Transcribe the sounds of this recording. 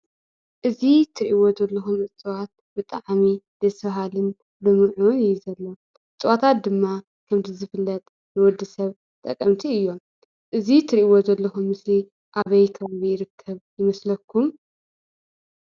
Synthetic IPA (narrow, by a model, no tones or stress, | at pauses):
ʔɨzit̪ʰɨɾiʔiwozɐlːɐxumɨt͡sʼɨwat̪̚ | bɨt̪ʼaʕmid̪̥ɐsfɐɦalɨn | bɨmɨʕunjɪzɐlːo | ɨt͡sʼɨwat̪ʰat̪̚d̪ɨmːa | kʰɐmzɨzɨfɨlːɐt̪ʼ | nɨwɔd̪ːɨsɐβ | t̪ʼɐkʼːɐmt̪ʰiɨjːo̞m | ʔɨzit̪ʰɨɾiiwozɐlːɐxumːɨsli | ʔaβɐjkʰɐβɐjɪɾɨkʰːɐβjɪmɐslɐkʰːum